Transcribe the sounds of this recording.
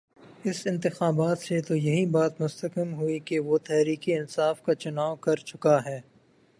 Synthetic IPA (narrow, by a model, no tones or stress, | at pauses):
ɪsɪ̃nt̪ɪxaːbaːt̪set̪ojɐɦibaːt̪mʊst̪əkɪmɦʊikeʋot̪ɛɦɾiːkiɪnsaːfkat͡ʃʊnaːkɐɾt͡ʃʊkaɦɛː